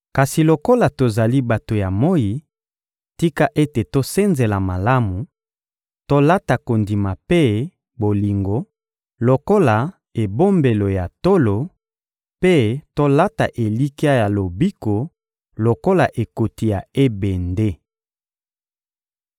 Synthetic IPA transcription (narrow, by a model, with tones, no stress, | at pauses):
ka˨si˨lo˨ko˦la˨to˨za˨li˦ba˨to˨ja˨mo˦ji˨ | ti˦ka˦ʔe˦te˨to˦se˦nze˨la˨ma˨la˦mu˨ | to˦la˦ta˨ko˨ndi˨ma˨pe˦ | bo˨li˨ŋɡo˦ | lo˨ko˦la˨ | e˨bo˦mbe˨lo˨ja˨to˦lo˨ | pe˦to˦la˦ta˨ʔe˨li˦ka˦ja˨lo˨bi˦ko˨ | lo˨ko˦la˨ʔe˨ko˨ti˨ja˨e˦bɛ˨nde˦